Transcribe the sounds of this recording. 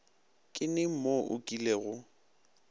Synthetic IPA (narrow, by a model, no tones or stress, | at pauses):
kʼɪnɪm̩moʔʊ̰kʼileɣʊ